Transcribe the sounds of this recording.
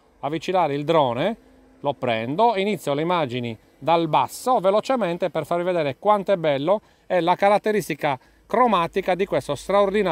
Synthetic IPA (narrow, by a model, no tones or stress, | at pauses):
avːit͡ʃilaːɾeild̪ɾɔːne | lopːɾɛ̰nd̪oinit̪sːjoleimaːd͡ʒini | d̪albasːovelot͡ʃɛment̪eperfarvived̪ɛːɾekwant̪oɛbːɛlːo | ɛlakaɾat̪ːeɾist̪ika | kɾomaːt̪ikad̪ikwest̪ost̪ɾaord̪ina